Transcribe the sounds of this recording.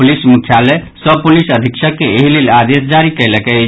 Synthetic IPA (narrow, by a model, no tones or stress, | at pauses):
ulismukʰːjalesəb̚pulisəd̪ʱiksʰəkːeeɦilelad̪esd͡ʒaɾikəɪlɛkɛ